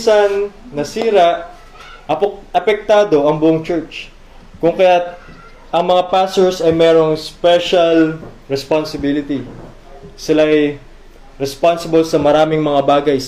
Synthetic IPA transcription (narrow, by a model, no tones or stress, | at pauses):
sɐnːɐsiːɾɐʔ | ʔɐpʔɐpɛk̚t̪aːd̪o̞ʔɐŋbʊʔoŋt͡ʃɛɹt͡ʃ | kʊŋkɐjat̪̚ | ʔɐŋmɐŋapaːst̪oɹsɐjmɛɾo̞ŋspɛʃɐlɾɛspansɪbilɪt̪i | sɪlaʔj | ɾɛspansɪbolsɐmɐɾaːmɪŋmɐŋabaːɡɐjs